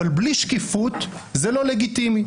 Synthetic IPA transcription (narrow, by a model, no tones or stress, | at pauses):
albliʃkifut̪zelo̞le̞ɡit̪imi